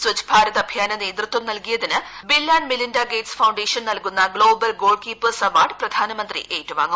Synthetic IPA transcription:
swɐt͡ɕbʱaːɾɐðɐbʱjaːnɐne̞ːd̪rɨt̪wɐmnɐlkijɐðinɨbilːaːnmilindaːɡe̞ːʈsfɐwɳɖeːʂɐnnɐlkunːɐɡɭo̞ːbɐlɡo̞ːɭɖkiːpːɨsɐʋaːɖɨprɐd̪ʱaːnɐmɐnd̪rḭʔeːtːɨʋa̰ːŋːum

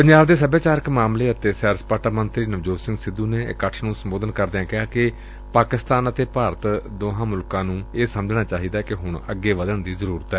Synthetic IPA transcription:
pəɲd͡ʒaːbd̪eːs̬əbaːt͡ʃaːɾəkmaːmleːət̪eːsɛːɾspaːʈaːmənt̪ɾiːnəʋd͡ʒoːsɪ̃ŋɡsɪd̪ːuːneːkːəʈʰnũːsəmboːd̪ənkəɾd̪eãːkɪɦaːkɪ | paːkɪst̪aːnət̪eːpaːɾət̪d̪oːɦãːmʊlkãːnũːeːsəməd͡ʒnaːt͡ʃaːɦiːd̪aːkɪɦʊɳəɡːeːʋəd̪əɳd̪iːzəɾuːɾət̪ɛː

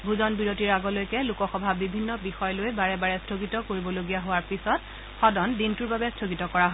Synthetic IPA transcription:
bʱuzɔnbiɹotiɹaɡɔlojkɛlukɔxɔbʱabibʱinːɔbixɔjlojbaɹɛbaɹɛstʰoɡitɔkoɹibɔloɡijaɦowaɹpisɔt | xɔdɔndintuɹbabɛstʰoɡitɔkɔɹaɦɔ

